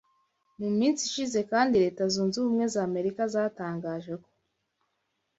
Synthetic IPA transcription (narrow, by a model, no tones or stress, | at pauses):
numiːnsiʃize̞kaːndiɾe̞ːtazuːnzuβumŋe̞zaːme̞ɾikazataːŋɡaːʒe̞ko̞̥